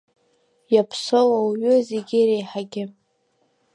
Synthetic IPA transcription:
japʰsolawɥʏzeɡʲɪɾejħaɡʲɪ

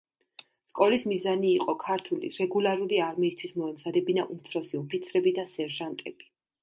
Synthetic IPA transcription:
skʼɔlismizaniːqʼɔkʰaɾt̪ʰulḭɾɛɡulˠaɾuliaɾmiːst̪ʰwismɔɛmzad̪ɛbinaʔumt̪sʰɾɔsiɔpʰit̪sʰɾɛbid̪asɛɾʒant̪ʼɛb̥i̥

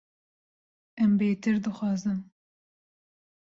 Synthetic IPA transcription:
ɛmbeːt̪ɨɾd̪ɨxɑːzɨm

